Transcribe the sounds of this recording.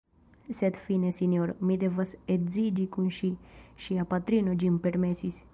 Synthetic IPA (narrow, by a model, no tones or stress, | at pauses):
sed̪finesinjoɾmid̪evɐsezid͡ʒikunʃiʃiapat̪ɾinod͡ʒimpeɾmesisʲ